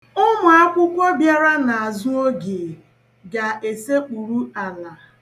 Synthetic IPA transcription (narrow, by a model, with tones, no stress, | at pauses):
ʊ˦mʊ˨a˦kʷʊ˦kʷo˦bja˦ɾa˦na˨a˨zʊ˦o˦ɡe˨ | ɡa˨ʔe˨se˦k͡pu˨ɾu˦a˨la˨